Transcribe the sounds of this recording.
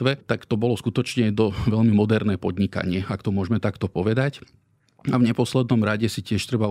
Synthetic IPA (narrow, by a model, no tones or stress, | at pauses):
ʋɛt̪akt̪ɔbɔlɔskut̪ɔt͡ʃɲɛd̪ɔʋɛʎmimɔd̪ɛɾnɛːpɔd̪ɲika̰ɲɪɛakt̪ɔmʊɔʒmɛt̪akt̪ɔpɔʋɛd̪ac | avɲɛpɔslɛd̪nɔmɾaɟɛsicɪɛʃt̪ɾɛba